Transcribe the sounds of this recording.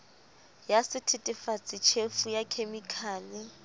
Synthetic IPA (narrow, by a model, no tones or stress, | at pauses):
jasɪtʰɪtʼɪfat͡sʼɪt͡ʃʰefujakʰemikʰaːlɪ